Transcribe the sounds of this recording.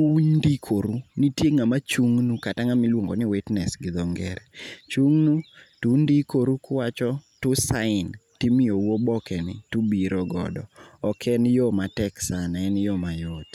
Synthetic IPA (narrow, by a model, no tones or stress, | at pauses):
uɲndikʰoɾunitjeŋamat͡ʃuŋnukataŋamɪlwoŋɡonɪwɪtnɛsɡɪd̪ɔŋɡɛ̰ɾɛt͡ʃuŋnutuɲdikoɾukʊwat͡ʃɔtʊsaɪntimɪowobɔkɛnɪ̰tubiɾɔɡɔ̰dɔ̰ɔkʰɛnjɔmatɛksanaɛnjɔmajɔt